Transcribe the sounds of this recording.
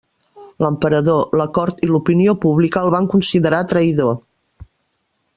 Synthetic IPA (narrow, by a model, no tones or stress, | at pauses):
ləmpəɾəðoləkɔɾt̪ilupiniopuβlikəːlˠβaŋkunsiðəɾat̪ɾəiðo